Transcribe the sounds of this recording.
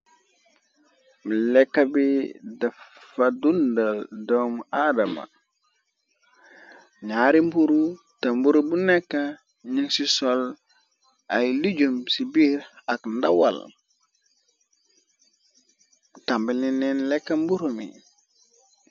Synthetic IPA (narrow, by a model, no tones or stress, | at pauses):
mlekːabidaffadundaldomadama̰ | ɲaɾimbuɾu | tambuɾubunekːa | ɲiŋsisol | ajliɟumsibiɾakndawa̰l | tambilinːenlekːambuɾomḭ